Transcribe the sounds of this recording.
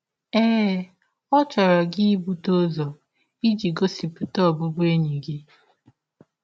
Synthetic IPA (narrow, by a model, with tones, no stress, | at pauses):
eː˦ | ɔ˦t͡ʃɔ˨ɾɔ˨ɡɪ˦bu˦to˦zɔ˨ | i˦d͡ʒi˨ɡo˦si˨pʊ˨tɔ˦˨bʊ˦bʊ˦e˦ɲi˨ɡɪ˦